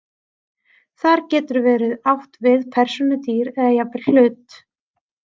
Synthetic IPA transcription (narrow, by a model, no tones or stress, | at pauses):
θaɾcɛːt̪ʏɾvɛːɾɪðawht̪vɪðpʰɛr̥sʏnʏt̪iːɾɛðajapɪɾ̥l̥ʏːt̪